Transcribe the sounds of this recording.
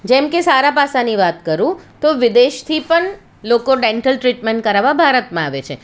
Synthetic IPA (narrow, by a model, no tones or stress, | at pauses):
d͡ʒɛmkesaɾapasaniʋat̪kəɾũt̪oʋɪd̪eʃt̪ʰipəɳ | lokoɖɛɳʈəlʈɾiʈmeɳʈ̚kəɾaʋabʱaɾət̪mãaʋet͡ʃʰḛ